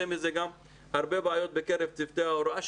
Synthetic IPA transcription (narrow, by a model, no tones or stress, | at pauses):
emizeɡam | haɾbebeajo̞t̪̚bekeɾevt͡sift̪eaoɾaʃ